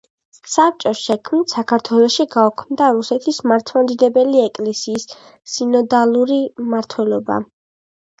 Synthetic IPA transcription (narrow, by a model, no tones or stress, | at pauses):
sap̚ʰt͡ʃʼɔsʃɛkʰmnit̪sakʰaɾt̪ʰwɛlˠɔʃiɡaɔkʰmd̪aɾusɛt̪ʰismaɾt̪ʰmamd̪id̪ɛbɛliɛkʼlɛsiːsː | inɔd̪alˠuɾimaɾt̪ʰwɛlˠɔba̰